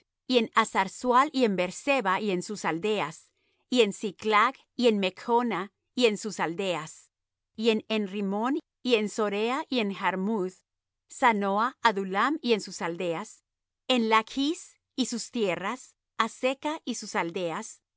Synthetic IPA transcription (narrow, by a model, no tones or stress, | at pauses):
ie̞nasaɾswalie̞mbe̞ɾse̞βaie̞nsusald̪e̞as | ie̞nsiklaɣ | ie̞nme̞kona | ie̞nsusald̪e̞as | ie̞nenrimon | ie̞nso̞ɾeaʔie̞nxaɾmuð | sanoaːðulamie̞nsusald̪e̞as | enlakʰis | isust̪je̞ras | ase̞kaʔisusald̪e̞as